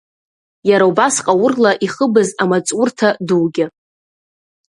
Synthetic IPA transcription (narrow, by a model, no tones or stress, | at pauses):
jaɾaubasqʼawʊrlaʔiχəbɨzamat͡sʼʊrtʰaduwɡʲɪ